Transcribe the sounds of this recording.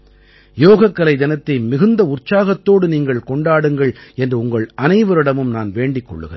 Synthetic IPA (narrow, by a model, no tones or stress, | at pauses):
joːɣɐkːɐlɐɪd̪ɐnɐt̪ːɐɪmɪɣɯnd̪ɐʊrt͡ʃaːɣɐt̪ːoːɽɯniːŋɡɐɭkɔɳɖaːɽɯŋɡɐɭɛndrɯʊŋɡɐɭɐnɐɪʋɐɾɪɽɐmɯmnaːnʋeːɳɖɪkːɔ̰ɭːɯ̰ɣɐ̰ɾ